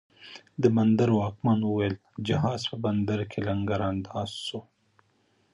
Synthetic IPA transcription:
d̪əband̪aɾwɑːkmanwəwajl | d͡ʒaɦɑzpəband̪aɾkʰelaŋɡaɾand̪ɑz̥ːo

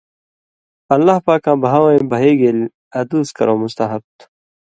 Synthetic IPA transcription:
ɐlːahpaːkãːbɐɦaːwãĩbɐɦeːɡel | ɐd̪uːskɐ̰ɾoːmʊst̪ɐɦɐb̚t̪ʰ

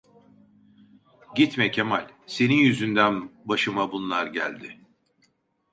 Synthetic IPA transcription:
ɟit̪mɛcʰemalʲse̞ninjyzynd̪ænbaʃɯmabunlˠaɾɟæ̰lʲd̪ɪ

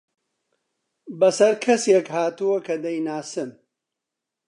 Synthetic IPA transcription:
bɐsɐɾkʰɐsekhaːt̪uwɐkɐd̪ɐjnaːsɨm

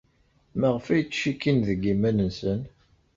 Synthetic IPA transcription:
mæʁəfæjt͡sːʃikːinðəɡːimænənsən

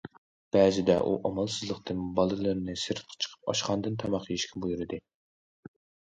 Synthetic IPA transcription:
b̥ɛːzɪd̪ɛ̰ʔṵʔɑmɑlˠsɨzlˠəqt̪ɨnbɑlˠɨlˠɨɾnɨsɨɾɨt̪̚ʰqʰə̥t͡ʃʰə̥qʰə̥p̚ɑ̰ʃqɑnd̪ɨnt̪ʰɑmɑqjiʃkʲʰibujuɾɨd̪ɨ

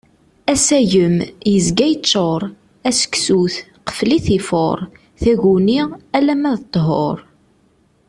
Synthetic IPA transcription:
æsæʝəmjəzɡæjət͡ʃːoɾˤ | æsə̥ksuθ | qə̥fliθifo̰ɾˤ | θæʝuniʁælæmæðət̪ˤːɦo̰ɾˤ

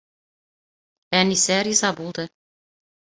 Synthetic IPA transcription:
ænisæɾizɑbulˠd̪ɤ

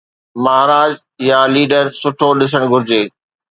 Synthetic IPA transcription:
mɐɦɾaːd͡ʑ | jaliːɖəɾsʊʈʰoɗɪs̬əɽ̃ɡʱʊɾɪd͡ʑeː

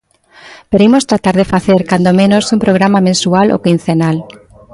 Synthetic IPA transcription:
peɾimost̪ɾat̪aɾðefaθeɾkand̪omẽnosumpɾoɣɾamamẽnsualʔo̰kin̟θenal

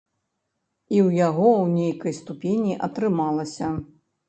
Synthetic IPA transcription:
iwjaɣɔwnʲejkɐjst̪upʲenʲiʔɐt̪ɾɨmalˠɐsʲɐ

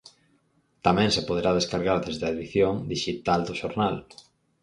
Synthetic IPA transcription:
t̪amɛ̃ŋsepoð̞eɾaðeskaɾɣaɾðezðeɐeðiθjoŋd̪iʃit̪ald̪oʃoɾnal

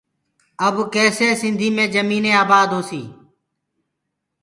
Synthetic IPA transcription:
əbkɛːseːsɪnd̪ʱiːmẽːd͡ʒəmiːnẽːaːbaːd̪ɦoːsiː

